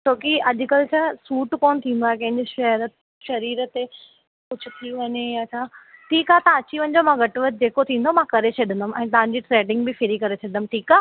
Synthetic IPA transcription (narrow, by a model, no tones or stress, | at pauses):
t͡ɕʰoːkiɐʄʊ̆kɐɾet͡ɕʰasuːʈkoːnt̪ʰĩːn̆d̪aːekɐ̃ɦɪ̃ɲd͡ʑɪʃɐɦɾ | ʃɐɾiːɾət̪e | kʊd͡ʑʱʊ̆t̪ʰiʋɐɲejat͡ɕʰaːʈʰiːkɦaːt̪ɐɐt͡ɕiʋɐ̃ɲ̆d͡ʑomãɡɐʈʋət̪̚d͡ʑeːkot̪ʰĩːn̆d̪omãkɐɾet͡ɕʰɐɗɪ̃nd̪əmʔɛ̃ːt̪̬ɐʋ̤ãɲ̆d͡ʑiʈɾeːɖɪ̃ŋɡ̚bɪfɪɾikɐɾet͡ɕʰɐɪnəmʈʰiːkaː